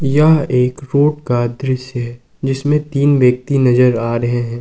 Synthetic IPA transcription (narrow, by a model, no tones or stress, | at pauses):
jɐɦeːkɾoːʈ̚kad̪ɾɪʃjəɦɛ | d͡ʒɪsmẽt̪iːnʋjɐk̚t̪inɐzəɾaːɾɐɦeɦɛ̃ː